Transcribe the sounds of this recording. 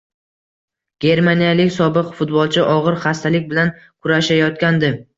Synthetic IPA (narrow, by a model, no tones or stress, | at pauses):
ɡ̥ʲe̞ɾmanijalɪkʲsɒbɨqfʊt̪bɒlˠt͡ʃʰɪʔɒʁɨɾχast̪ʰalɪkʲbɪlan | kʰʊɾaʃajɒt̪kʲand̪ɪ